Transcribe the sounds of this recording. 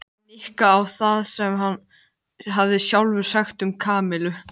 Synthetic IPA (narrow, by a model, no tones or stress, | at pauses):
nɪhkaːwθaðsɛmɦanː | ɦavðɪsjawlvʏ̥saxt̪ʏmkʰaːmɪlʏ